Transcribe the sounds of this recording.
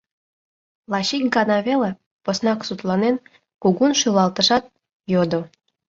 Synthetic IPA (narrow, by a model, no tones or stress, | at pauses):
lˠɑɕik̚ɡɑnɑβele | posnɑksut̪lˠɑnen | kuɣunʃylɑlˠt̪əʃɑt̪̚ | jod̪o